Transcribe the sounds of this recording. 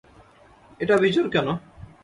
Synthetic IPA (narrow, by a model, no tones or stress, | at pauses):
eʈabʱid͡ʑoɾkɛno